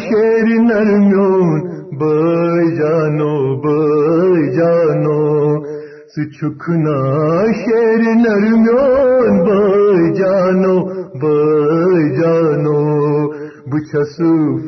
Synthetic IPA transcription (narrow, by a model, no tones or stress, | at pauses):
xeɾinɐɾmjonbɐjd͡ʑaːnobɐ | d͡ʑano | sɨt͡ɕʰukʰunaɕeɾinɐɾmjonbɐd͡ʒanobɐ | d͡ʑaːno | but͡ʃʰɐsɨ